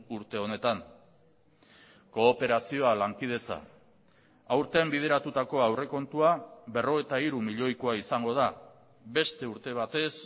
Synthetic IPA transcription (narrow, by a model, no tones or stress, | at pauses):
uɾt̪e̞o̞ne̞t̪an | ko̞ːpe̞ɾasio̞alaŋkið̞e̞t͡sa̰ | awɾt̪embið̞e̞ɾat̪ut̪ako̞awre̞ko̞nt̪uaβe̞ro̞ɣet̪aiɾumiʎo̞jkoaisaŋɡo̞ð̞a | βe̞st̪e̞uɾt̪e̞β̞at̪e̞s